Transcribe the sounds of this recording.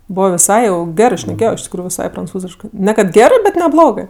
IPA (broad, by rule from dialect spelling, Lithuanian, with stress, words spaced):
ˈboːʋoː ʋʲɪˈsɐɪ jɛʊ ˈɡʲæːrɜ ʃʲnʲɛˈkʲeːjoː ɪʃ tʲɪkˈruːjʊ ʋʲɪˈsɐɪ prɐnˈt͡suːzʲɪʃkɜ nʲɛ kɐt ˈɡʲæːrɜ bʲɛt nʲɛˈblˠoːɡɜ